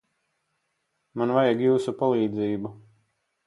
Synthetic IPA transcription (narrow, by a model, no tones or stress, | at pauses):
manvajaɡjuːsupalˠiːd̪ziːbu